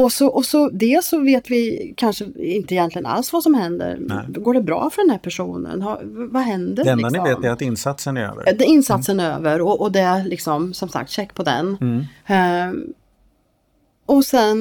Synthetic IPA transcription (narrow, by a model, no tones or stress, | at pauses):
ɔsɔʔɔsɔd̪eːsɔveːt̪vɪkʰanʂəɪnt̪əɪjɛnt̪lɪɡəna̰lsvasɔmhɛnd̪ə̰ɾɡoːɖɛbɾɑ̰ːfœɖɛnd̪æɾpʰæʂṵːnə̰nhɑvvaɦɛnd̪əɾɛɛnd̪anɪveːtmæɾat̪ɪnsat̪sənæɾø̰ːvə̰ɾd̪ɛɪnːsat̪sənæɾø̰ːvəɾɔʔɔd̪ɛlɪksɔmsɔmsa̰k̚t̪ɕɛkːpʰɔd̪ɛ̰n | ɔsɛn